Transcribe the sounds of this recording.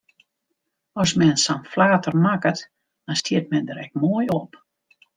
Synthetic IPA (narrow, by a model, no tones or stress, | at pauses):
ɔsmɛnsanflaːtərmakət | d̥ɔstiət̚mɛndəɾɛk̚moəjɔp